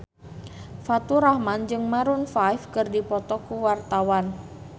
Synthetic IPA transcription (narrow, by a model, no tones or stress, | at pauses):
fat̪uɾahmand͡ʒɨŋmaɾunfajfkɨrdipɔt̪ɔkuwart̪awan